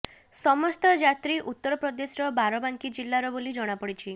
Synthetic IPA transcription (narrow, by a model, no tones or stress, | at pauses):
sɔmɔst̪ɔd͡ʒat̪ɾiʔut̪ːɔɾɔpɾɔd̪esɾɔbaɾɔbaŋkid͡ʒilːaɾɔbolid͡ʒɔɽ̃apɔɽit͡ʃʰi